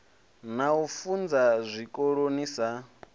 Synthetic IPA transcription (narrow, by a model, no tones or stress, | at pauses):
naufund͡zazʷikʼoɺonisa